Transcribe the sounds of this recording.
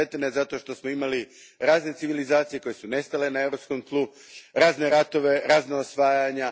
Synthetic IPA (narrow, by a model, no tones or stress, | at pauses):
et̪enezat̪o̞ʃt̪o̞smoimali | ɾaːzne̞t̪iʋilizaːt̪sije̞ko̞je̞sune̞st̪ale̞nae̞ʋɾo̞psko̞mk̪lˠu | ɾaːzne̞ɾat̪o̞ʋe̞ɾaːznaosʋaːjaɲa